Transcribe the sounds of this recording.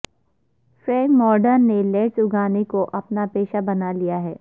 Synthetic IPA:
fɾɛ̃ːŋkmɔːɾɖəɾneleːʈsʊɡaːnekoʔɐpnapeːʃabɐnalijaɦɛː

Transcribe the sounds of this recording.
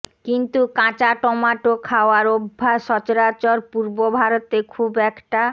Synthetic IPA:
kint̪ukãt͡ɕaʈɔmaʈokʰaoaɾobʱːaʃɔt͡ɕoɾat͡ɕɔɾpuɾbobʱaɾot̪ekʰubɛkʈa

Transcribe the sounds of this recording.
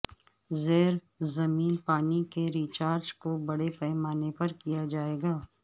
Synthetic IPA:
zeːɾ | zɐmiːnpaːnikeɾiːt͡ʃaːɾd͡ʒkobɐɽepɛːmaːnepɐɾkijad͡ʒaːeːɡaː

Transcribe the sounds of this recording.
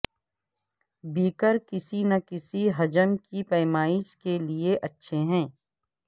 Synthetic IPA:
biːkəɾkɪsinɐkɪsiɦɐd͡ʒəmkipɛːmaːɪʃkelieʔɐtːʃʰeɦɛ̃ː

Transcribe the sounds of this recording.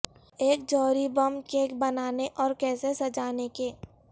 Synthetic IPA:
eːk̚d͡ʒɔːɾibɐmkeːkbɐnaːneʔɔːɾkɛːsesɐd͡ʒaːnekeː

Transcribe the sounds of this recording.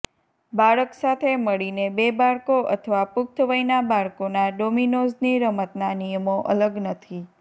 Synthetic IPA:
baɭəksat̪ʰeməɭinebebaɭkoʔə̰t̪ʰəʋapʊk̚t̪ʰəʋəjnabaɭkonaɖominosniɾəmət̪nanijəmoʔə̰ləɡnət̪ʰi

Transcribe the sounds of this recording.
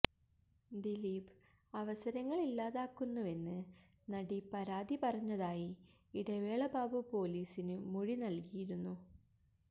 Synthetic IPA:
d̪iliːb | ɐʋɐsɐɾɐŋːɐɭilːaːðaːkːunːue̞nːɨ | nɐɽipɐɾaːd̪ipɐrɐɲːɐðaːji | iɽeʋeːɭɐbaːbupo̞ːliːsinɨmuɻinɐlkijiɾunːu

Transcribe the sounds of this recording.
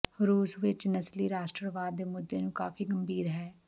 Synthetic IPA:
ɾuːsʋɪt͡ʃnəsliːɾaːsʈɾəʋaːd̪ːeːmʊd̪ːeːnũːka̰ːfiːɡəmbiːɾɦɛː

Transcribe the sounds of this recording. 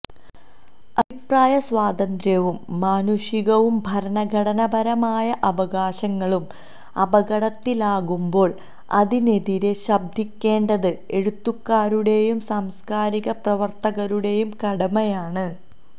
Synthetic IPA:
ɐbʱipraːjɐswaːd̪ɐnd̪ɾjɐʋumːaːnuʂiɣɐʋumbʱɐɾɐnɐɡʱɐɽɐnɐbʱɐɾɐmaːjɐʔɐʋɐɣaːɕɐŋːɐɭum | ɐ̰bɐɣɐɽɐt̪ːilaːɣumbo̞ːɭ | ɐ̰ðine̞ðiɾe̞ɕɐb̚d̪ʱikʲːe̞ːɳɖɐðɨe̞ɻut̪ːukːaːɾuɽe̞jumsaːmskaːɾiɣɐprɐʋɐrt̪ɐɣɐɾuɽe̞jumkɐɽɐmɐjaːɳɨ

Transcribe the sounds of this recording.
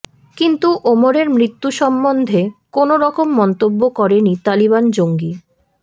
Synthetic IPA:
kint̪uʔomoɾeɾmɾit̪ːuʃɔmːond̪ʱekonoɾɔkomːɔnt̪obːokɔɾenit̪aliβand͡ʑoŋɡi

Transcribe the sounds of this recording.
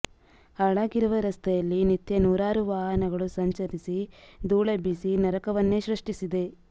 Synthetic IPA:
ɐɭaːɡiɾuʋɐɾɐst̪ɐjɐlːinit̪jɐnuːɾaːɾuʋaːɦɐnɐɡɐɭusɐɲt͡ʃɐɾisid̪uːɭɐbisinɐɾɐkɐʋɐnːeʃɾɐʂʈisid̪e̞

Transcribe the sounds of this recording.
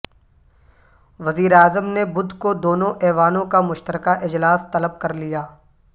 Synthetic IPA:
ʋɐziːɾeaːzəmnebʊd̪ʱkod̪oːnõʔɛːʋaːnõkamʊʃt̪əɾkaʔɪd͡ʒlaːst̪ɐləb̚kɐɾlijaː

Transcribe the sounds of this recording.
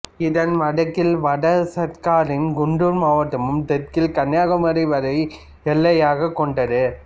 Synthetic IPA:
ɪðɐnʋɐɽɐkːɪlʋɐɽɐsɐɾkaːɾɪnɡʊɳɖʊɾmaːʋɐʈ̪ːɐmɯmt̪ɛt̚kɪlkɐɳjaːɣɐmɐɾɐɪʋɐɾɐɪ | ɛlːɐjaːɣɐkːɔɳɖɐðɯ

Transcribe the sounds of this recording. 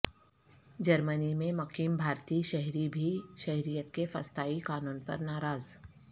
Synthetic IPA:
d͡ʒɐɾmənimẽmɐkiːmbʱaːɾt̪iːʃɐɦɾibʱiʃɐɦɾijət̪kefɐ̰st̪aːikaːnuːnpɐ̰ɾnaːɾaːz

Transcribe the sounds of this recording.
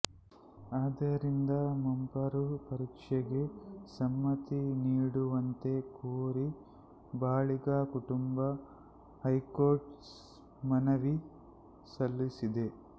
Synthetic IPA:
aːd̪ɐɾind̪ɐmɐmpɐɾupɐɾikʂɐɡe̞sɐmːɐt̪iniːɽuʋɐnt̪e̞kuːɾi | baːɭiɡaːkuʈumbɐ | ɦɐjkoːɾʈ | mɐnɐʋi | sɐlːisid̪e̞

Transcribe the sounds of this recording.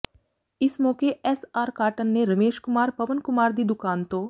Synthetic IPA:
ɪsmɔːkeɛːsaːɾkaːɾʈənːẽɾɐmeːʃkʊmaːɾpɐʋənkʊmaːɾd̪id̪ʊkaːnt̪oː

